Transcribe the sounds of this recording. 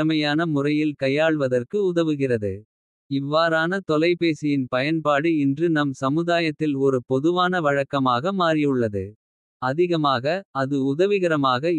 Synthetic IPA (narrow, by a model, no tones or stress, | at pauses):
ɐmɐjaːnɐmʊrɐjɪlkɐjːaːɭʋɐðɐrkɯʊðɐʋɯɣɪrɐðɯ | ɪʋːaːɾaːnɐt̪ɔlɐɪpeːsɪjɪnpɐjɐnpaːɽɯɛndrɯnɐmsɐmɯðaːjɐt̪ːɪlɔɾɯpɔðɯʋaːnɐʋɐɻɐkːɐmaːɣɐmaːrɪjɯɭːɐðɯ | ɐðɪɣɐmaːɣɐɐðɯʊðɐʋɪɣɐɾɐmaːɣɐ